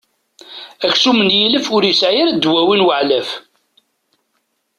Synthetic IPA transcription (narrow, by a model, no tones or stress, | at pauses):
æçsumənjiləfʊɾjəsʕjəɾæd̪wæwinwəʕlæf